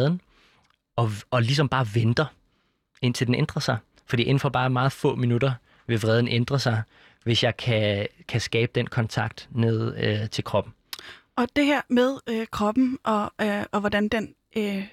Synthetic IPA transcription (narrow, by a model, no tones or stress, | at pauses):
ðˠn̩ | ɒ̽ɒ̽lis̬ɒ̽mb̥ɑ̈ːʋend̥ɐ | e̝n̰t͡sʰe̝ld̥enend̥ʁɐsɑ̈ɪ | fɒd̥ḭːʔe̝n̩fɒb̥ɑ̈ːmɑ̈ːð̞̩ˠfɔ̰̽ːminud̥ɐ | ʋe̝ʋʁɛð̞ˠn̩ʔend̥ʁɐsɑ̈ɪ | ʋe̝sjɑ̈ɪkʰækʰæsɡ̥ɛːb̥əd̥enkʰɒ̽nt͡sʰɑ̈ɡ̥̚d̥neð̞ˠøt͡sʰe̝lkʰʁɒ̽b̥n̩ | ɒ̽d̥e̝hæɐ̰með̞ˠkʰʁɒb̥n̩ʔɒ̽ɒʋɒdænd̥en